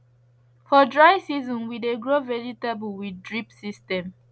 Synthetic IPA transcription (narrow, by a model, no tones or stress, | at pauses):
fɔdɹaɪsizɔ̃nwideɡɹovɛɹitabulwidɹipsistɛ̃m